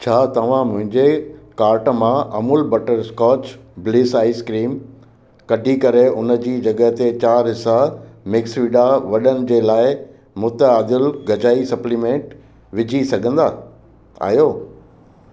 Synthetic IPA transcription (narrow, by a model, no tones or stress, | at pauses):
t͡ɕʰaːt̪ɐʋ̤ãmʊ̃ɦɪ̃ɲd͡ʑekaːɾʈmãʔɐmʊlbɐʈəɾskɔːt͡ɕblɪːsaːiskɾiːm | kɐɖʱikɐɾeʊnə̆d͡ʑiːd͡ʑɐɠəɦt̪et͡ɕaːɾɦɪsamɪksʋiɖaʋɐɗənɪ̆d͡ʑeːlaːɪ | mʊt̪əaːd̪ɪlɡɐd͡ʑaːisɐplimẽːɳʈ | ʋɪd͡ʑʱisɐɡʱə̃nd̪aː | a̰ːjoː